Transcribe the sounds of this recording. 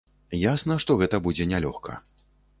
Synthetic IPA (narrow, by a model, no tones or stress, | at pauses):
jasnɐʂt̪ɔɣɛt̪ɐbud͡zʲɛnʲalʲɔxkʰɐ̰